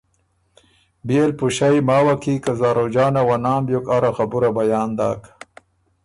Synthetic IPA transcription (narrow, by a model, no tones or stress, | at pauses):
beːlpuɕajmaːwakikazaːɾod͡ʒaːnawanaːmbjokaɾaxabuɾabajaːnd̪a̰ːk